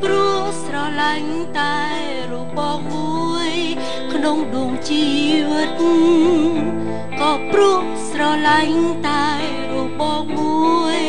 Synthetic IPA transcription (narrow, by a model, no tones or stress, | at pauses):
pruəhsrɑlaŋ | t̪aɛ | rɔɓɑːhmu | əj | kʰnoŋɗoːŋt͡ɕiːʋɨt̪̚ | kɑːprʊəh | srɑlaŋt̪aɛ | rɔɓɑhmuəəj